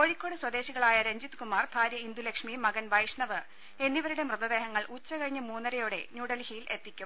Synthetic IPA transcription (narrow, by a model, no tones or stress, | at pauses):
ko̞ːɻikʲːo̞ːɽɨswɐd̪e̞ːɕiɣɐɭaːjɐɾeɲd͡ʑit̪ːɨkumaːrbʱaːɾjɐind̪ulekʂmimɐɡɐnʋɐjʂɳɐʋɨ | e̞nːiʋɐɾuɽe̞mrɨd̪ɐd̪e̞ːɦɐŋːɐɭʔut͡ɕːɐkɐɻiɲːɨmuːnːɐɾɐjoɽe̞̰ɲuːɽɐlhijile̞t̪ːikʲːum